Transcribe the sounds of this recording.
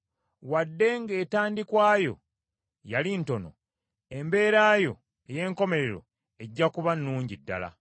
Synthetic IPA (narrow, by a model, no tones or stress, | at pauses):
wadːe̞ŋɡe̞ːtaːndikwaːjo̞̰ | jalinto̞no̞̰ | e̞mbe̞ːɾaːjo̞̰ | eje̞ːŋko̞me̞ɾe̞ɾo̞̰ | e̞ɟːakuβanːuːɲɟidːa̰la̰